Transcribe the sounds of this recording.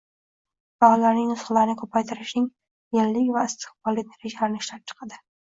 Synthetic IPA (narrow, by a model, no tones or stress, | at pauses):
b̥aʁɒlaɾnɪŋnʊsχalaɾɪnɪkʰɵpʰajt̪ʰɪɾɪʃnɪŋ | jelːɪkʲvaɪst̪ʰɪ̥χbɒlːineɾed͡ʒalaɾɪnɪʃlap̚t͡ʃʰɨ̥qʰɑd̪ɪ